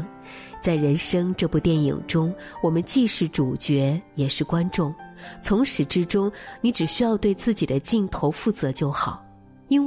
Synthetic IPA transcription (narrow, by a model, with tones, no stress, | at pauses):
ŋ | t͡sa˥˩ɪɻə˧˥nʂɤ˥ŋʈ͡ʂɤ˥˧pu˥˧t̪jɛ˥˩nḭ˨˩ŋʈ͡ʂʊ˥ŋ | wɔ˨˩mə˦nt͡ɕi˥˧ʂɻ̩˥˩ʈ͡ʂu˨˩t͡ɕɥɛ˧˥jɛ˨˩ʂɻ̩˥˩kwa˥nʈ͡ʂʊ˥˩ŋt͡sʰʊ˧˥ŋʂɻ̩˨˩ʈ͡ʂɻ̩˥ʈ͡ʂʊ˥ŋni˧˥ʈ͡ʂɻ̩˨˩ɕy˥jɑ˥˧ʊt̪we˥˧ɪt͡sɹ̩˥˩t͡ɕi˨˩d̪ə˦t͡ɕi˥˩nt̪ʰo˧˥ʊfu˥˩t͡sɤ˧˥t͡ɕjo˥˩ʊxɑ˨˩˦ʊ | i˥n